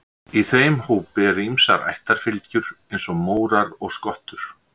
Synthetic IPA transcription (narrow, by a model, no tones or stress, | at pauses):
iθeːjmhuːpɛːɾimsa̰ɾa̰jht̪aɾ̥fɪlcʏɾ̥ejnsɔɣmoːwɾaɾɔɣskɔht̪ʏɾ̥